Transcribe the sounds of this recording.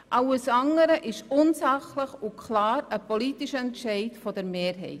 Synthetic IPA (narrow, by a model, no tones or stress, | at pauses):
ʔɑwəsɑŋːəɾəʔɪʃʊnsɑχləχʊkʰlɑːɾəpɔlitiʃəɛntʃɛɪtfɔd̥əɾmeːɾɦɛ̰ɪt